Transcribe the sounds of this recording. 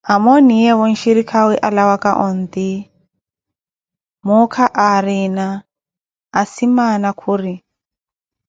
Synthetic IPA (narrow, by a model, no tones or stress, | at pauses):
amɔnijɛβɔn̩ʃiɾikʰawiʔalawakaʔɔnd̪i | mukʰaʔaɾina | asimanakʰuɾi